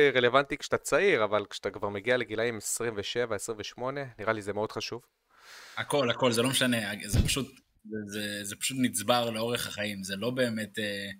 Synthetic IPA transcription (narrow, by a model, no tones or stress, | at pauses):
ʁele̞vantikʃat̪at͡saiʁavalkʃat̪akvaʁmeɡiale̞ɡilaimesʁimveʃevaesʁimveʃmo̞ne̞niʁalizemeo̞d̪χaʃuv | ako̞lako̞lzelo̞meʃaneazepḁʃut̪ | ezezepḁʃut̪nit͡sbaʁleo̞ʁeχhaχaimzelo̞be̞ːmet̪e